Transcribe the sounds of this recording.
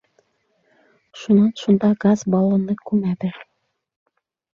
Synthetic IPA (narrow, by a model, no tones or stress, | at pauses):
ʃunɑnʃund̪ɑɡazbɑlˠɑ̆nɤkʉmæd̪ɘ